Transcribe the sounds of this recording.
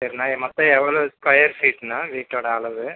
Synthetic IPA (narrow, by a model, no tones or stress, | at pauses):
sɐɾinaːmɐt̪ːɐ̃ɛʋɐɭoːskɐjɐɾfiːʈːnaːʋiːʈːoːɽɐɐɭɐʋɯ